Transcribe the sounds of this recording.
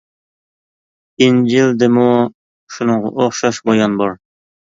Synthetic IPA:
ind͡ʒild̪ɪmu | ʃunɨɴʁɑ̰ʔoχʃɑʃbojɑnbɑɾ

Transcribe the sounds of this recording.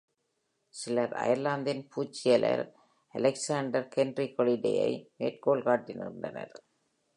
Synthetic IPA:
sɪlɐɾɐ̰jɐɾlaːnd̪ɪnpʰuːt͡ʃːɪjɐlɐ̰ɾ | ɐlɛksaːɳɖɐɾkɛnɖɾikɔliɖɛ̰jɐ̰ɪmeːʈ̚koːlkaːʈːɪnɯ̰nɖɐnɐ̰ɾ

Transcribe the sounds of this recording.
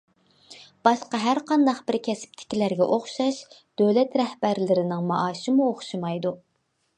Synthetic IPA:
b̥ɑʃqɑɦæɾqɑnd̪ɑqbɪɾkʲʰɛsɪ̥p̚t̪ʰɪ̥kʲilæɾɡʲɛʔoχʃɑʃ | d̪̥øwlɛt̪ɾɛhbæɾlɪɾɪnɪŋmɑʔɑːʃɪmuoχʃɨmɑjd̪u

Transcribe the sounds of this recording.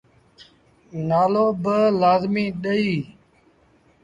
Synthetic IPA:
naːloːbəlaːzmĩːɗəiː

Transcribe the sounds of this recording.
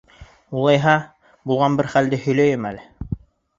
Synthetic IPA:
ulˠɑjɦɑ | bulˠʁɑnbɘɾχæld̪ɘhɵ̆jlæjɘmælɘ

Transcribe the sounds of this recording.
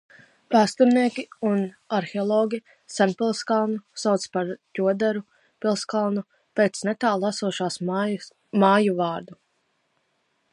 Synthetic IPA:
paːst̪uɾniɛkʲiun | aɾxeɔlˠɔːɡʲi | sanpilˠskalˠnusawt̪spaɾt̪ʲuɔd̪ɛɾu | pilˠskalˠnu | peːt̪snɛt̪aːllˠasuɔʃaːs | maːjuvɑːɾd̪u

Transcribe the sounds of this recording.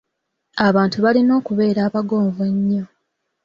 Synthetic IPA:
aβaːntuβalino̞ːkuβe̞ːɾaːβaɡo̞ːɱveɲːo

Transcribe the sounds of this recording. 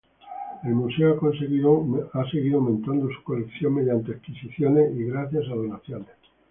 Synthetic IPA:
elmuseoakons | ase̞ɣiðoawmẽnt̪and̪osu̥kolekθjoŋme̞ð̞jant̪eekisiθjone̞iɣɾaθjasaðonaθjone

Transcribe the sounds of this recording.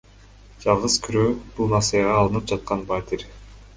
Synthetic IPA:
d͡ʒɑlˠʁɯzkʰyɾøːb̥ulˠmɑselʲeʁɑːlˠɯnɯp̚d͡ʒɑt̪̚qɑnbat̪ʲiɾʲ

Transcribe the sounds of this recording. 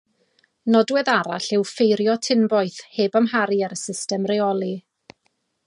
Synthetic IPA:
nɔdwɛðaɾaɬɪwfejɾjɔtʰɪnbɔjθheːbamɦaɾiaɾəsɪstɛmrɛɔlˠi

